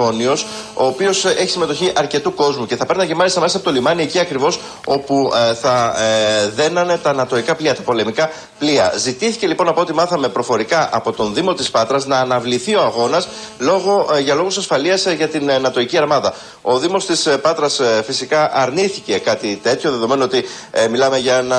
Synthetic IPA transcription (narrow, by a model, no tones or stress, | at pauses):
o̞nio̞s | o̞ːpio̞se̞çi̥sime̞t̪o̞çiʔɐɾce̞t̪uko̞zmuce̞θɐpe̞ɾnɐcemɐlist̪ɐmelsɐpo̞t̪o̞limɐnie̞ciɐkɾivo̞s | o̞puθɐ | ðe̞nɐne̞t̪ɐnɐt̪o̞ikɐpliɐt̪ɐpo̞le̞mikɐ | pliɐ̰zit̪iθice̞lipo̞nɐpoot̪imɐθɐme̞pɾo̞fo̞ɾikɐʔɐpo̞t̪o̞nðimo̞t̪ispɐt̪ɾɐznɐːnɐvliθio̞ɐɣo̞nɐs | lo̞ɣo̞ʝɐlo̞ɣusɐsfɐliɐsʝɐt̪inːɐt̪o̞iciɐɾmɐðɐ | o̞ðimo̞st̪ispɐt̪ɾɐsfisikɐʔɐɾniθice̞kɐt̪it̪e̞t̪ʰço̞ðe̞ðo̞me̞noo̞t̪i | milɐme̞ʝɐenɐ